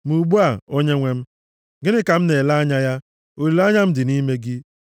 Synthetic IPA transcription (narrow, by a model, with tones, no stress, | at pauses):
mu˨ɡ͡bu˦a˨o˦ɲe˦ŋʷe˦m̩˦ | ɡɪ˦nɪ˦ka˨m̩˦ne˨la˦ɲa˦ja˦ | o˨ɾi˨la˦ɲa˦m̩˦dɪ˨ni˦me˦ɡɪ˦